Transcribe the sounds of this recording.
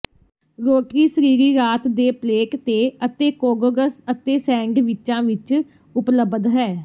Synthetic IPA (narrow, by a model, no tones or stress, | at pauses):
ɾoːʈiːsəɾiːɾiːɾaːt̪d̪eːpleːkt̪eːət̪eːkoːɡoɡəsət̪eːsɛ̃ːŋɡʋɪt͡ʃãːʋɪt͡ʃ | ʊpləbd̪ɦɛː